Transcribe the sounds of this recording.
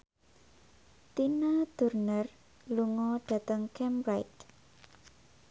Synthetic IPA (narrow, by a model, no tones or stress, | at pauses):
t̪inad̪̥ṳrnər | luŋɔɖ̥ä̤t̪əŋkʰɛmɾajt̪